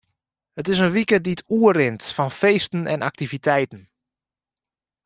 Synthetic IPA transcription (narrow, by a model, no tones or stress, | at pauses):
hətɪsənʋikəditʰuərɪntfɔnfeːstn̩ɛ̰nʔa̰k̚tivitʰɛjtən̩